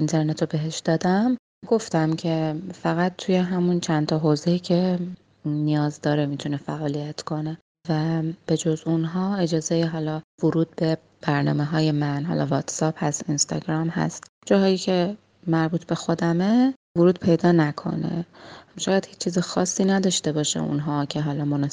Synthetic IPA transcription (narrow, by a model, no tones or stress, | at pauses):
int̪ʰe̞ɾnet̪obe̞ɦe̞ʃd̪ɒːd̪æm | ɡ̥o̞ft̪æmcʰe̞fæɣæt̪̚t̪ʰuje̞ɦæmunt͡ʃʰænt̪ʰɒɦoːzejiːcʰe̞ | nijɒːzd̪ɒːɾemit̪ʰunefæʔɒːlijæt̪kʰo̞ne̞ | væb̥e̞d͡ʒozunɦɒːe̞d͡ʒɒːze̞jiɦɒːlɒːvoɾuːd̪̥̚be̞ | b̥æɾnɒ̰ːme̞ɦɒːje̞mænɦɒ̰ːlʔɒ̰vɒt̪ʰsɒphæst̪inst̪ɒ̰ɡɾɒmhæ̰st̪ | d͡ʒɒːɦɒːjiːcʰe̞ | mæɾbuːt̪ʰbe̞xo̞d̪æme | voɾuːd̪̚pʰe̞jd̪ɒːnækʰo̞̰ne̞̰ʃɒːjæd̪̥hiːt͡ʃʰːt͡ʃʰːiːzexɒːsːiːnæd̪ɒːʃt̪e̞bɒːʃḛṵnɦɒːcʰe̞ɦɒːlɒːmonɒ